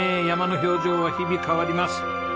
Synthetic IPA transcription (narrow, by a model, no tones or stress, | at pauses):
ejamanoɦiod͡ʒowahibikʰawadimas